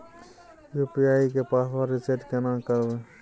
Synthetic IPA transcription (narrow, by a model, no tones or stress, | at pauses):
jupijaːikepaːswaːɾit͡ʃeʈkenãːmkəɾbe